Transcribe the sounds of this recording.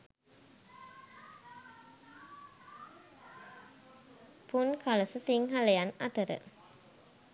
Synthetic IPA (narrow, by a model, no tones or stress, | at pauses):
punkʰaləsəsiŋɦaləjana̰t̪əɾə̰